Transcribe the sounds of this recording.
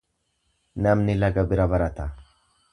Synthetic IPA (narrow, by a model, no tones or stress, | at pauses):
nɐmnɪlɐɡɐbɪɾɐbɐɾɐt̪ɐ